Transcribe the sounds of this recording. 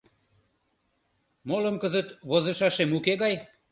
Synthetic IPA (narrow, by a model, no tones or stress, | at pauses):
moləmkəzət̪βozə̆ʃɑʃemukeɣɑj